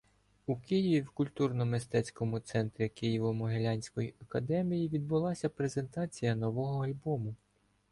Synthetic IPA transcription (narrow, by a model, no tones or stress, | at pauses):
ukɪjiʋʲiwkʊlʲt̪urnɔmɪst̪ɛt͡sʲkɔmʊt̪sɛnt̪ɾʲikɪjiʋɔmʊɦelʲanʲsʲkɔjiʔɐkɐd̪ɛmʲijiʋʲid̪̚bʊlˠɑsʲɐpɾe̞ze̞nt̪ɑt͡sʲijɐnɔʋɔɦɔɐlʲbɔmʊ